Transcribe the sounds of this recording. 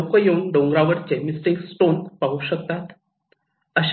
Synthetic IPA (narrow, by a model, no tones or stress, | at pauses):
okəjeuɳɖõŋɡɾaʋəɾt͡ɕemisʈiŋɡsʈonpaɦuɕək̚t̪at̪ | əɕ